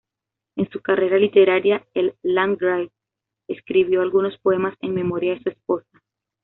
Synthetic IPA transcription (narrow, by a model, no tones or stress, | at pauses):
e̞nsukare̞ɾalit̪e̞ɾaɾjaelːãŋɡɾajt | eskɾiβ̞jo̞alɣuno̞spo̞e̞mase̞ŋme̞mo̞ɾjaesue̞spo̞sḁ